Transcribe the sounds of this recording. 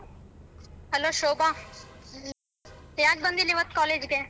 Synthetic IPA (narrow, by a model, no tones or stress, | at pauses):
ɦəloʃoːbã | ejak̚bə̃nd̪iliʋət̪kɔːleːd͡ʒɡeː